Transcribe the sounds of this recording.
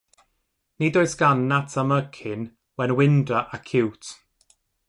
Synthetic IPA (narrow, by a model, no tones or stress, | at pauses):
nidoɨsɡ̥anːatʰaməkʰɪn | wɛnwɪndraʔakʰɪwt